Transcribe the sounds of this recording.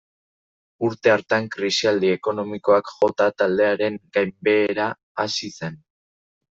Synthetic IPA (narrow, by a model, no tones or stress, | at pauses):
uɾt̪e̞aɾt̪aŋkɾisiald̪ie̞ko̞no̞miko̞akʝo̞t̪at̪ald̪e̞aɾe̞ŋɡajmbe̞ːɾaː | sise̞n